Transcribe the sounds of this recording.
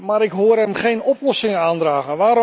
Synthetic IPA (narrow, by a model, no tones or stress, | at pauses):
maɾɪkɦoːəɾɛmχejnɔplɔsɪŋəaːndraːɣənʋaːɾ